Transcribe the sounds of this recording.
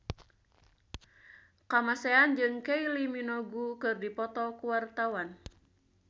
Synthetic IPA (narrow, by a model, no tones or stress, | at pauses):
kamasɛand͡ʒɨŋkeiliminɔɡukɨrdipɔt̪ɔkuwart̪awan